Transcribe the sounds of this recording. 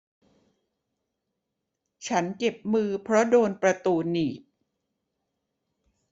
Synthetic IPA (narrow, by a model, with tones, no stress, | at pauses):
t͡ɕʰa˦˥nt͡ɕe˨˩p̚mɯː˧pʰɾɔ˦˥doː˧npɾa˧t̪uː˧niː˨˩p̚